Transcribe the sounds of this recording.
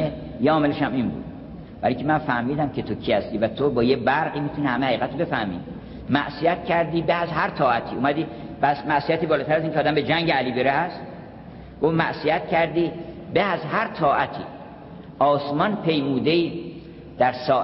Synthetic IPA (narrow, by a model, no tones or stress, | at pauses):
e | jeɒːme̞leʃæminbṵːd̪̥ | bæ̰ɾiŋkʲʰemænfæhmiːd̪æmkʰe̞t̪ʰokʰiːhæst̪iːvæt̪ʰobɒːjebæɾɣiːmiːt̪unihæmehæiːɣæt̪obe̞fæhmḭː | mæʔsijæt̪cʰæɾd̪iːbeæzɦæɾt̪ʰɒːæt̪ʰiːumæd̪iːbæsmæʔsiæt̪iːbɒːlɒːt̪æɾæziŋkʰeɒːd̪æmbe̞d͡ʒæŋɟeæliːbeɾehæst̪ | ɡ̥ofmæ̰ʔsijæt̪cʰæɾd̪iː | beæzɦæɾt̪ʰɒːʔæt̪ʰḭː | ʔɒːsmɒnpʰe̞jmuːd̪eiː | d̪̥æɾsɒː